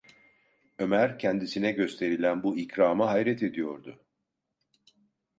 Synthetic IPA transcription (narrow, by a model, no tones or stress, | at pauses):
ø̞mæɾcʰɛnd̪isinɛɟø̞st̪ʰe̞ɾilʲænbuicɾaːmɯɦajɾɛt̪ʰe̞d̪ijo̞ɾd̪ʊ